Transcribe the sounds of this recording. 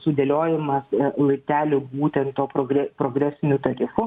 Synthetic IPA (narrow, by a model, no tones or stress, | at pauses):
sʊd̪ʲelʲoːjɪmɐslˠɐɪpʲt̪ʲæːlʲobuːt̪ʲɛnt̪t̪oːpɾoːɡɾʲɛpɾoːɡɾʲæːsʲɪnʲʊt̪ɐɾʲɪfʊ